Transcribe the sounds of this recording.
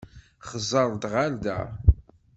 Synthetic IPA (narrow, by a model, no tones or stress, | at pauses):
χəzˤɑɾˤd̪ʁald̪æ̰